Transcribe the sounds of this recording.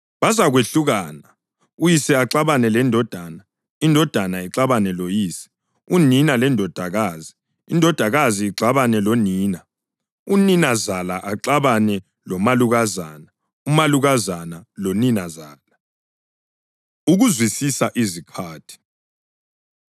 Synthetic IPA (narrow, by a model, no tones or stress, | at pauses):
βazaɣweɬuɣaːna | ujisɛaǁaβanɛlɛndʱɔd̥ʱana | indʱɔd̥ʱanaiǁaβanɛlojiːsɛ̥ | uninalɛndʱɔd̥ʱaɣaːzi | indʱɔd̥ʱaɣaziːǁaβanɛloniːna | uninazalaʔaǁaβanɛ | lɔmaluɣazana | umaluɣazanaloninazaːla | uɣuzwisisaʔizikʰaːtʰi̥